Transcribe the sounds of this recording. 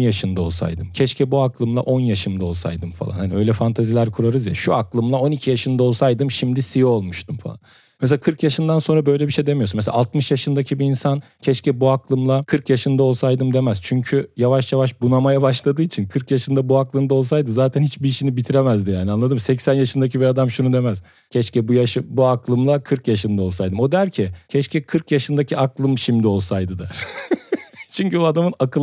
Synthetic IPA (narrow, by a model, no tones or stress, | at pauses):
jaʃɯnd̪ao̞lˠsa̰jd̪ɯmcʰɛʃcʰɛbuaklˠɯmlˠa̰ʔo̞njaʃɯmd̪ao̞lˠsa̰jd̪ɯmfa̰lˠa̰nhaniø̞jlʲɛfant̪ʰazilʲæɾkʰuɾaɾɯzja̰ʃuaklˠɯmlˠao̞nicʰijaʃɯnd̪ao̞lˠsajd̪ɯmʃimd̪isijolˠmuʃt̪ʰumfa̰lˠan | ms̬eakʰɯɾkjaʃɯnd̪anso̞nɾabø̞jlʲɛbiʃejd̪e̞mijounmes̬ḛalˠt̪mɯʃjaʃɯnd̪acʰibiːnsan | cʰɛʃcɛbuaklˠɯmlˠakʰɯɾkjaʃɯnd̪ao̞lˠsajd̪ɯmd̪e̞mæz̥t͡ʃʰyɲcʰyjavaʃjavaʃbunamajabaʃlˠad̪ɯːit͡ʃʰinkʰɯɾkjaʃɯnd̪abuaklˠɯmd̪ao̞lˠsajd̪ɯzaːt̪ʰænhit͡ʃbiiʃinibit̪ʰiɾemæzd̪ijaːnianˠad̪ɯmsɛcsænjaʃɯnd̪acʰibiad̪amʃunud̪e̞mæz̥ | cʰɛʃcɛbujaʃɯbuaklˠɯmlˠakʰɯɾkjaʃɯnd̪ao̞lˠsajd̪ɯmod̪æɾcʰɪcʰɛʃcʰɛkʰɯɾkjaʃɯnd̪acʰiaklˠɯmʃimd̪io̞lˠsajd̪ɯd̪æɾ̥ | t͡ʃʰyɲcyad̪amɯnakʰɯ